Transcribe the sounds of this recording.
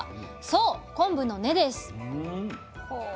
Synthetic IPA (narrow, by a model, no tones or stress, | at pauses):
soːkõ̞mbɯ̟nːo̞ne̞d̪e̞sɨ̥